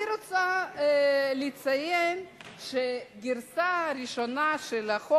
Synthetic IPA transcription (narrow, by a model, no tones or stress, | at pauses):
ɾot͡sa | lit͡sajenʃeɡiɾsaɾiʃo̞naʃelaχo